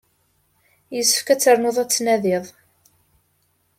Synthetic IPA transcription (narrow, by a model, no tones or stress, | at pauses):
jəsːə̥fkæt͡sːəɾˤnoðˤæt͡sːnæðɪðˤ